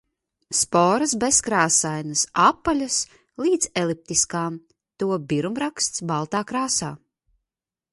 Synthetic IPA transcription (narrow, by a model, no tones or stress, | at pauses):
spɔːɾɐsbeskɾaːsajnasapːalʲas | lˠiːd̪zelˠip̚t̪iskaːm | t̪uɔbiɾumɾakst̪sbalˠt̪aːkɾaːsaː